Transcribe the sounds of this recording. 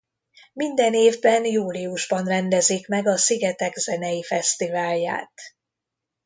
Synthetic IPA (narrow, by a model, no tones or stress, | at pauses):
mind̪ɛneːvbɛnjuːliuʒbɒnrɛnd̪ɛziːkmɛɡɒsiɡɛt̪ɛɡzɛnɛjifɛst̪ivaːlja̰ːt̪